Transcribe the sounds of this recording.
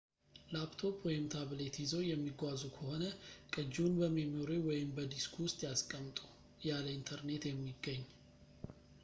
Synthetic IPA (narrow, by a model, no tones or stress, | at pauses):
lapt̪ʰo̞pʰwɔjɪmt̪ʰaβlet̪jizo̞jɛmːiɡʷazukʰəho̞nəkʼɨd͡ʒːunbəmemoɾewɔjɪmbəd̪iskʰowʊst̪ʼjaskʼəmt̪ʼu̥ | jaləint̪ʰəɾne̞t̪jɛmːiɡːəɲː